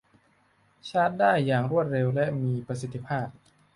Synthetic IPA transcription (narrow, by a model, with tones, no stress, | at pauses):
t͡ɕʰaː˥˩t̪̚daː˥˩jːaː˨˩ŋɾu˥˩ət̪̚ɾe˧wlɛ˦˥ʔmiː˧pɾa˧s̬i˨˩t̪ʰːi˦˥pʰaː˥˩p̚